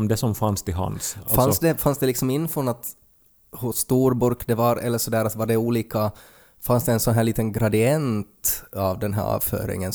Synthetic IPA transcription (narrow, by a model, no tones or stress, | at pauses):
md̪ɛsɔmfanst̪ʰɪɦa̰nsfansd̪ɛfansd̪ɛlɪksɔmɪnːfɾɔnat̪ | hʊsːt̪uːɾbʊɾkd̪ɛvaɾɛ̰lːəʂɔd̪æːɾat̪vaɖɛuːliːka | fansd̪ɛɛnsɔnɦæːɭiːt̪ənɡɾad̪ɪɛnt̪avd̪ɛnɦæ̰ːɾɑ̰ːvfœ̰ːɾɪ̰ŋən